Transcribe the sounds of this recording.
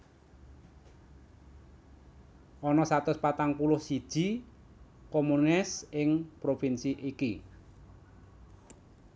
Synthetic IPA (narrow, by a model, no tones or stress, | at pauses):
ʔɔnɔsat̪ʊspat̪aŋpulʊhsid̥ʒ̥i̤ | komunɪsɪŋpɾofinsiʔiki